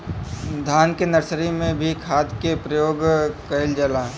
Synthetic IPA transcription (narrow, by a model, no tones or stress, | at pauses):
d̪ʱaːnkenɐɾsɾimẽbʱikʰaːd̪kepɾəjoːɡkɐɪld͡ʒəlaː